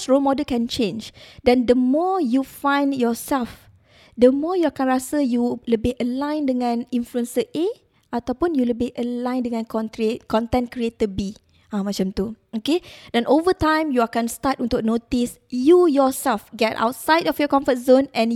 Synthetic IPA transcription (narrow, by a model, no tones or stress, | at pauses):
sɹomɔdəlkɛ̃nt͡ʃẽnd͡ʒdɛ̃ndəmɔjufãjnjɔsɛlf | dəmɔjuakãnɹasəjuləbeʔəlãj̃ndəŋãnĩnfluə̃nsəʔe | ʔat̪awpũnjuləbeʔəlãj̃ndəŋãnkɔ̃nt̪ɾekɔ̃nt̪ɛ̃nkɹiet̪əbi | ãmat͡ʃãmt̪uokedɛ̃nʔovətãj̃mjuakãnstatɔ̃nt̪oʔ̚not̪is | jujɔsɛlfɡɛta̰wtsajdɔfjɔkɔ̃ɱfət̚zõnɛ̃n